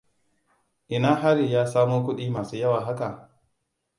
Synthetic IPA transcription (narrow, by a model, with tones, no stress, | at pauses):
ʔɪ˨naː˦ɦa˦ɾiː˨jaː˦saː˦moː˦k̬ʷʊ˦ɗiː˦maː˨suː˦jɐ˦waː˨ɦa˦ka˨